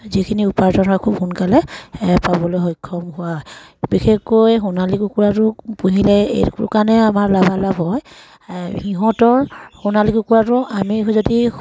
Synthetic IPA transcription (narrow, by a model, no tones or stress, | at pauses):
zikʰiniupaɹtɔnakʰubɦunkalɛpabɔlojɦɔjkʰːɔmɦʊwaɔjbixekːojɦunalikukuɹatʊpuɦilɛḛtkṵkanɛamaɹlabalabɦɔj | hiɦɔ̃tɔɹxunalikukuɹatʊʔamizodi